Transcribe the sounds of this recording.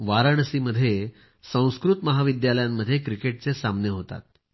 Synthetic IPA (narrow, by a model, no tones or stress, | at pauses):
ʋaɾəɳ̃əsiməd̪ʱːje | sə̃w̃skɾut̪məɦaʋid̪jaləjamːəd̪ʱːjekɾikeʈ̚t͡sesamneɦot̪a̰t̪̚